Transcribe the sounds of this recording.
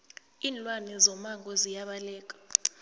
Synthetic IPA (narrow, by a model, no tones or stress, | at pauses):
iːnlwanɛzɔmaŋɡʱɔzijaɓalɛːk̬ʼḁ